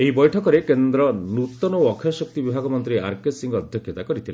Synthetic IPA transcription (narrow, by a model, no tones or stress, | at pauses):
eɦibɔjʈʰɔkɔɾekend̪ɾɔnut̪ɔnɔɔkʰjɔsɔk̚t̪ibibʱaɡɔmɔnt̪ɾiaɾkesiŋɡɔːd̪ʱjɔkʰjɔt̪akɔɾit̪ʰile